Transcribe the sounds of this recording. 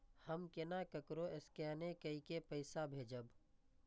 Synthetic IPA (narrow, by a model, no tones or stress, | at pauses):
həmkɪnakəkɾoeskɛːnekəikepəɪsabʱeːd͡ʒəb